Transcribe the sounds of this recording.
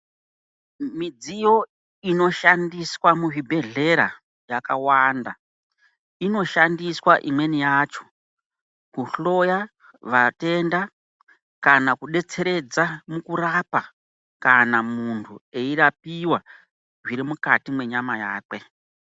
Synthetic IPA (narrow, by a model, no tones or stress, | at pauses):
mid͡zijo̞ | ino̞ʃandiswamuʐibʱe̞ɮe̞ɾa | jakawaːnda | ino̞ʃandiswaʔimwe̞nijaːt͡ʃo̞̥ | kuɬo̞ja | ʋate̞nda | kanakuɗe̞t͡se̞ɾe̞d͡zamukuɾapa | kanamuntʰue̞irap̚iwa | ʐiɾimukatimwe̞ɲamajaːkwe